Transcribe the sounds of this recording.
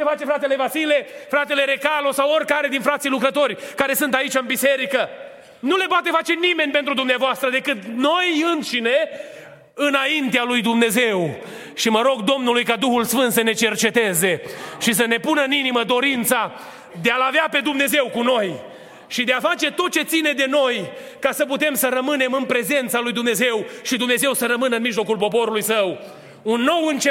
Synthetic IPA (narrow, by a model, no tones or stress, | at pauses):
efat͡ʃe̞fɾat̪e̞le̞vasile̞fɾat̪e̞le̞ɾe̞kalo̞saworʲkaɾe̞d̪infɾat̪sijlukɾət̪o̞rʲkaɾe̞sɨnt̪ait͡ʃaɨnbise̞ɾikə | nule̞poat̪e̞fat͡ʃe̞nime̞nʲpe̞nt̪ɾud̪umneavoast̪ɾəd̪e̞kɨt̪nojɨnt̪ʃine | ɨnaint̪ealujd̪umne̞ze̞w | ʃiməɾo̞ɡd̪o̞mnulujkad̪uxulsfɨnt̪səne̞t͡ʃe̞rt͡ʃe̞t̪e̞ze̞ʃis̬əne̞punəɨniniməd̪o̞ɾint̪sa | d̪e̞alaveape̞d̪umne̞ze̞wkuno̞j | ʃid̪eafat͡ʃe̞t̪o̞t̪̚t͡ʃe̞t̪sine̞d̪e̞no̞j | kasəput̪e̞msəɾəmɨne̞mɨnpɾe̞ze̞nt̪salujd̪umne̞ze̞wʃid̪umne̞ze̞wsəɾəmɨnəɨnmiʒlo̞kulpo̞po̞ɾulujsəw | unːo̞wɨnt͡ʃe